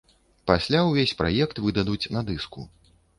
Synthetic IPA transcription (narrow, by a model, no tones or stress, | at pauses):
pasʲlʲawvʲesʲpɾa̰jɛkt̪vɨd̪ɐd̪ut͡sʲnɐd̪ɨskṵ